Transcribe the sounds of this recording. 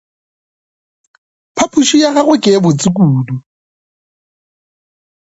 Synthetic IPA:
pʰapʰuʃijaɣaɣwekʼɪbʊt͡sʼikʼuːdu

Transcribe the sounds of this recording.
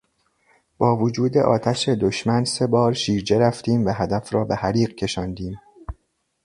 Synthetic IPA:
b̥ɒːvod͡ʒuːd̪e̞̰ʔɒ̰ːt̪ʰæʃe̞d̪oʃmænse̞bɒːɾʃiːɾd͡ʒe̞ɾæft̪iːmvæɦæd̪æfɾɒːbe̞hæɾiːɢcʰe̞ʃɒːnd̪iːm

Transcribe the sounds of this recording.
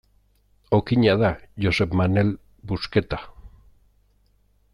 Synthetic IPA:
okiɲaðaʝosebmanel | busket̪ḁ

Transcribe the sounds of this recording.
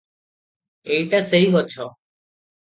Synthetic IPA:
eiʈaseɦibɔt͡ʃʰɔː

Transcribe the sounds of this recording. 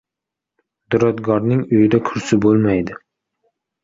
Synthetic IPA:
d̪̥ʊɾɒd̪ɡɒɾnɪŋʊjɪd̪akʰʊɾsɪbolˠmajd̪ɪ

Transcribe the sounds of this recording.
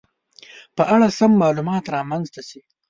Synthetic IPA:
pəʔaɽasamːɑːlumɑːt̪ɾɑːmanzt̪asi

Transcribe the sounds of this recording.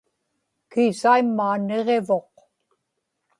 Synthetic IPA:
kiːsaimːaːne̞ʁe̞vo̞q

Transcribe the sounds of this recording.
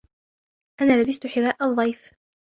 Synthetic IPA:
ʔanaːlabɪst̪ʊħɪðaːʔɑðˤːɑjf

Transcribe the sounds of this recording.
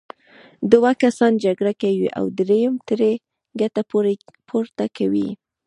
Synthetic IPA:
d̪ʊwakasɑnd͡ʒaɡɽakawiʔa̰wd̪ɾejəmt̪əɾe | ɡat̪apʰoɾt̪akawḭ

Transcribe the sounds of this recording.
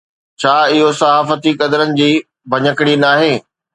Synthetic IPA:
t͡ɕʰaːɪɦosɐɦaːfət̪ikɐd̪əɾənɪ̆d͡ʑiː | bʱɐɲəkɪɽ̃inaːɦeː

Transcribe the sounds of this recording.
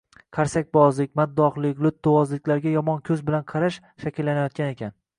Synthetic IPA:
qʰaɾsak̚ʲbɒzlɪk̚ʲmad̪ːɒqlˠɪkʲlʊt̪̚ːʊwɒzlɪkʲlaɾɡʲajɒmɒnkʲʰɵzbɪlanqʰɑɾaʃ | ʃakʲɪlːanajɒt̪̚kʲane̞kʲʰan

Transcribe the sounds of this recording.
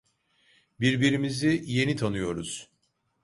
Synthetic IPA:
biɾbiɾimizije̞nit̪ʰanɯjo̞ɾuz̥

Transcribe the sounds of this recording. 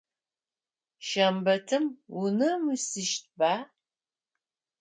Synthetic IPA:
ʃɐmbɐtʰɨmunɨmɨsɨʃt̚baː

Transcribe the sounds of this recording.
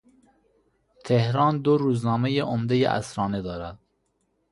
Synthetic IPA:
t̪ʰehɾɑːnd̪oɾuːznɒːmejeʔomd̪ejḛʔæ̰sɾɒːned̪ɒːɾæd̪̥̚

